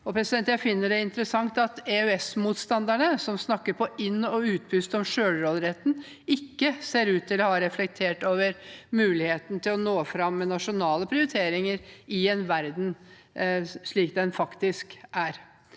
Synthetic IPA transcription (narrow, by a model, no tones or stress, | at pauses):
ɔpʰɾɛsɪd̪ɛnt̪jæɪfɪnːəɖɛɪnt̪əɾəsɑŋt̪ɑt̪ɛœɛsmuːt̪st̪ɑnd̪æɳəsɔmsnɑkːəɾpʰɔɪnːɔʉːt̪̚pʰʉst̪ɔmʂøːlɾɔlɾɛt̪ːn̩ | ɪkːəseːɾʉːt̪ʰːɪlɔhɑɾɛflɛk̚t̪ʰeːʈoːʋəɾmʉːlɪheːt̪nt̪ʰɪlɔnoːfɾɑmːɛnɑʂʊnɑːləpʰɾɪʊɾɪt̪ʰeːɾɪŋəɾɪɛnʋæɾd̪n | ʂɭiːk̚d̪ɛnfɑkt̪ɪskʔæɾ